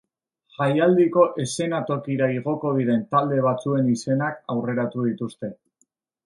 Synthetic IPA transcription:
ʝajald̪iko̞ʔe̞se̞nat̪o̞kiɾaiɣ̞o̞ko̞ð̞iɾe̞nt̪ald̪e̞β̞at͡sue̞nise̞nakawre̞ɾat̪uð̞it̪ust̪e̞

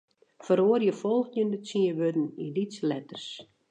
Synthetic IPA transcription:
fəɾoərjəfɔlˠxjəndəsiəʋødn̩ilitslɛtərs

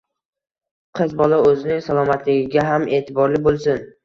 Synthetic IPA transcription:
qʰɨzbɒlaɵzɪnɪŋsalˠɒmat̪lɪɡʲɪɡʲaɦamʔe̞ːt̪ʰɪbɒɾlɪbolˠsɪn

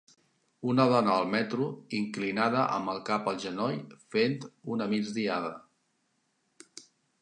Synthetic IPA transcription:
unəðɔnəːlˠmɛt̪ɾuiŋklinað̞əʔə̰mbəlˠkapəlˠʒənɔjfent̪unəmid͡zd̪iaðə

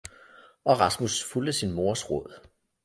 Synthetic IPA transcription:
ʔɒ̽ʁɑ̈smusfuld̥əsinmo̝ɐsʁɔð̰ˠ

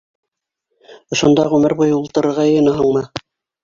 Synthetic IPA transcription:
ŏʃŏnd̪ɑʁʉmɘɾbujɤulˠt̪ɤ̆ɾɤ̆ɾʁɑjɤ̆jɤ̆nɑɦɤɴmɤ

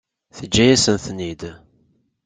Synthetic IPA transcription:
θəd͡ʒːæjæsənθnid̪

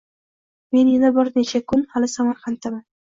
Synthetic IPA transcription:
me̞njanabɪɾnet͡ʃʰakʰʊnhalɪsamaɾχant̪ʰaman

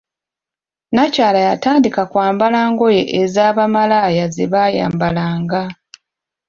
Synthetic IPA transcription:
nacaːlajataːndikakwaːmbalaːŋɡo̞je̞ʔezaːβamalajazeβaja̰ːmbalaːŋɡa

